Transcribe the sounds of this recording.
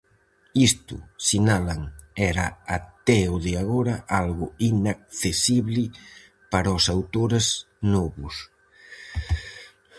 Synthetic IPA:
ist̪ʊ̰sinalaŋɛɾaat̪ɛoðɪaɣ̞oɾɐʔalɣʊinak̚θesiβlɪ | paɾaosawt̪oɾez | nɔβʊs

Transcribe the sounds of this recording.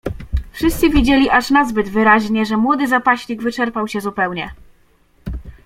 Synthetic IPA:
fʂɘst̪sɘvʲid͡ʑelʲiʔaʂnazbɘd̪vɘɾaʑɲɛʐɛmwɔd̪ɘzapaɕlʲiɡvɘt͡ʂɛɾpawɕɛzupɛwɲɛ

